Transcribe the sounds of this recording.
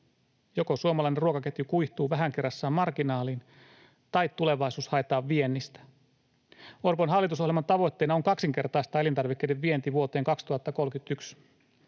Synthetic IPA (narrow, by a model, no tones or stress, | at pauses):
jokosuomɑlɑineruokɑket̪jukuiht̪uːʋæɦæŋkerːɑsːɑːmɑrkinɑːliːn | t̪ɑjt̪ːule̞ʋɑjsuːshɑjt̪ɑːʋːienːist̪æ̥ | orponɦɑlːit̪uso̞hlelmɑnt̪ɑʋo̞jt̪ːe̞ːnɑoŋkɑksiŋke̞rt̪ɑist̪ɑːelint̪ɑrʋikːeideʋːient̪iʋuot̪e̞ːŋkɑkst̪uhɑt̪ːɑko̞lkyt̪yks